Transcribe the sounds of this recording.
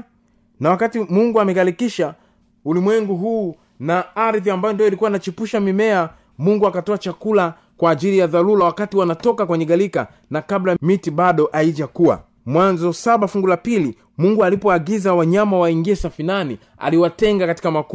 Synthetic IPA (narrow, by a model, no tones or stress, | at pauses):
nawakatimuŋɡuamɛɣalikiʃa | ulimwɛŋɡuɦuː | naaɾðiambajɔndiɔilikuwainat͡ʃipuʃamimɛa | muŋɡuakatɔat͡ʃakula | kwaːʄilijaðalulawakatiwanatɔkakwɛɲɛɠalika̰ | nakablajmitiɓaɗɔʔaid͡ʒakuwa̰ | mwanzɔsaɓafuŋɡulapili | muŋɡualipɔaɡizawaɲamawaiŋɡiɛsafinani | a̰liwatɛŋɡakati̥kamak